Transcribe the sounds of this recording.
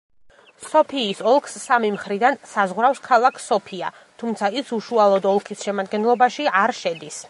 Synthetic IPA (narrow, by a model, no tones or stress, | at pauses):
sɔpʰiːsɔlˠkʰsːamimχɾid̪ansazʁwɾafskʰalˠakʰsɔpʰia | t̪ʰumt̪sʰaisuʃualˠɔd̪ɔlˠkʰisʃɛmad̪ɡɛnlˠɔbaʃiaɾʃɛd̪is